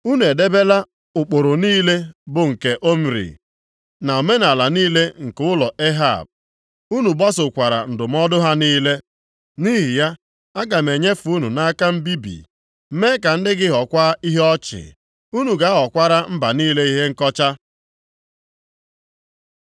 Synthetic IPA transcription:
u˦nu˨e˨de˦be˦la˦ | ʊ˨k͡po˨ɾʊ˨niː˦le˦bʊ˨ŋ̩˨ke˨ʔo˦m̩˨ɾḭ˨ | na˨o˨me˦na˨la˨niː˦le˦ŋ̩˨kʊ˦ʊ˦lɔ˨e˦ɦa̰˦˨b̚ | u˦nu˨ba˦sʊ˨kʷa˨ɾa̰˨n̩˨dʊ˨m̩˦ɔ˦dʊ˦ɦa˦niː˦le˦ | ni˦ɦi˨ja˦ | a˦ɡa˨m̩e˨ɲe˦fu˦nu˨na˦ka˦m̩˦bi˦bḭ˨ | m̩˦me˦ka˨n̩˦dɪ˦ɡɪ˦ɦɔ˨kʷa˦i˦ɦɔ˦t͡ʃɪ̰˨ | u˦nu˨ɡa˨˦ɔ˨kʷa˦ɾa˦m̩˦ba˨niː˦le˦i˦ɦe˦ŋ̩˦kɔ˦t͡ʃa˦

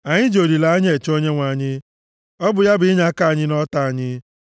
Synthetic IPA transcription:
a˨ɲɪ˦d͡ʒo˨ɾi˨la˨a˦ɲ˦e˨t͡ʃo˦ɲe˦ŋʷa˨a˨ɲɪ˦ | ɔ˦bʊ˨ja˦bɪ˦ɪ˦ɲa˦ka˦˨ɲɪ˦nɔ˦ta˦˨a˨ɲɪ˦

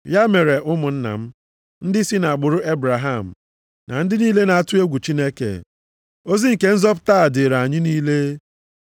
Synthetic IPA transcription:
ja˦me˨ɾe˨ʔʊ˦mʊ˨n̩˦na̰˨m̩˦ | n̩˦dɪ˦si˦na˨ɡ͡bʊ˨ɾʊ˦ʔe˦bɾa˨ɦa˦˨m̩˨ | na̰˨n̩˦dɪ˦niː˦le˦na˨a˦˨tʊ˦e˦ɡʷu˨t͡ʃi˦ne˦kḛ˨ | o˦zi˦ŋ̩˨ke˦n̩˦zɔ˦p̬ʊ̥˦ta˦a˨dɪ˨ɾa˨ɲɪ˦niː˦le˦

